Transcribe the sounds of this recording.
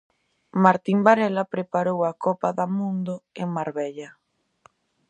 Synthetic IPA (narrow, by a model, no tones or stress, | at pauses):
maɾt̪imbaɾɛlapɾepaɾowakɔpaðamũnd̪oeŋmaɾβɛʎɐ